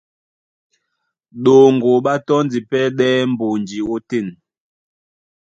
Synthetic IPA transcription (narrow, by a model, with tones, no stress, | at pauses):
ɗo˨ŋɡo˨ɓa˦tɔ˦n˦d͡zi˨pɛ˦ɗɛ˦m̩˦bo˨nd͡ʒi˨o˦te˦˨n